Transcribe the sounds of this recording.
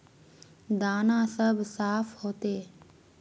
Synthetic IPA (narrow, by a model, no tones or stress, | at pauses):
d̪aːnãːsəbsaːfʰhoːt̪eː